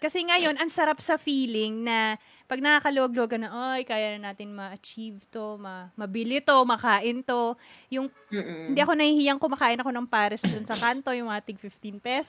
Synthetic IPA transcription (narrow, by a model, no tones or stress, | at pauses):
kɐsɛŋɐjo̞nʔɐŋsɐɾapsɐfiːlɪŋnɐ | pɐɡ̚nɐkaːkɐlowɐɡ̚loːɡɐnɐʔajkaːjanɐnaːt̪ɪnmɐʔɐt͡ʃivt̪o̞mɐmɐbilɪt̪o̞mɐkaːʔɪnt̪o̞jʊŋ | hɪnd̪iɐko̞nɐhiːhiːjɐŋkomɐkaːʔɪnɐko̞nɐŋpaːɾɛsd̪ʊnsɐkant̪o̞jʊŋmɐŋɐt̪ɪɡ̚fɪft̪inpɛs